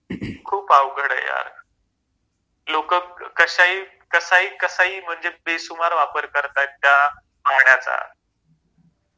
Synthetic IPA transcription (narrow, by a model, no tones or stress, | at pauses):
kʰuːpaʋɡʱəɽə̰ja̰ɾ | lokəkəɕaiː | kəsaɦiːkəsaiːm̤əɳd͡zepesumaɾʋapəɾkəɾt̪at̪ːja | paɾɳjat͡sa̰